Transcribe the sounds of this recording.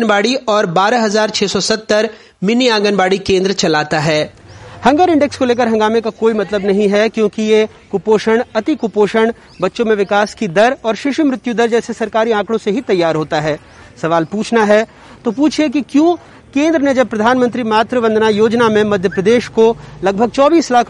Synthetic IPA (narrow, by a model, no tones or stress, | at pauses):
nbaːɽiɔːɾbaːɾaɦɐzaːɾt͡ʃʰeːsɔsɐt̪ːəɾ | mɪniãːɡənbaːɽikẽːnd̪ɾət͡ʃɐlaːt̪aɦɛː | hɐ̃ŋɡəɾɪ̃ɳɖɛkskoleːk̬əɾɦɐ̃ŋɡaːmẽkakoːimɐt̪ləbnɐɦĩɦɛkjõːkije | kʊpoːʃəɽ̃ɐt̪ikʊpoːʃəɽ̃ | bɐtːʃõmẽʋɪkaːskid̪ɐɾɔːɾʃɪʃumɾɪt̪jud̪ɐɾd͡ʒɛːsesɐɾkaːɾiãːkɽ̃õseɦit̪ɐjːaːɾɦoːt̪aɦɛː | sɐʋaːlpuːt͡ʃʰnaɦɛ | t̪opuːt͡ʃʰek̬ikjõː | kẽːnd̪ɾəned͡ʒɐb̚pːɾɐd̪ʱaːnmə̃nt̪ɾimaːt̪ɾəbə̃nd̪najoːd͡ʒnamẽmɐd̪ʱjəpɾɐd̪eːʃkolɐɡbʱəɡ̚t͡ʃɔːbiːslaːkʰ